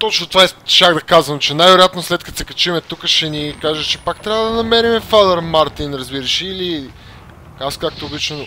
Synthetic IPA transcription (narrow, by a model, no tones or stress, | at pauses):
t̪ɔt͡ʃnot̪ovaɛt͡ʃaɡd̪ɐkazvɐmt͡ʃɛnajvɛɾojat̪noslɛt̪̚kɐt̪o̥sɛkɐt͡ʃimɛt̪ukəʃɛnikaʒɐt͡ʃɛpak̚t̪ɾʲavɐd̪ɐnɐmɛɾimɛfad̪ɐɾmaɾt̪inɾɐzbiɾɐʃɛːli | askak̚t̪oɡlit͡ʃno